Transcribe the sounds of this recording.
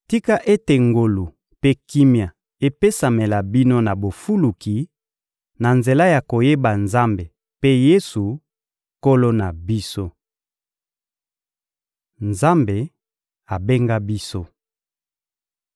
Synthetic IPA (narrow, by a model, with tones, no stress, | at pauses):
ti˦ka˦ʔe˦te˨ŋɡo˨lu˨ | pe˦ki˦mja˨ | e˦pe˦sa˨me˨la˨bi˦no˦na˨bo˨fu˦lu˨ki˨ | na˨nze˨la˦ja˨ko˨je˦ba˨nza˦mbe˨ | pe˦je˦su˨ | ko˦lo˦na˨bi˦so˦ | nza˦mbe˨ | a˨be˦ŋɡa˦bi˦so˦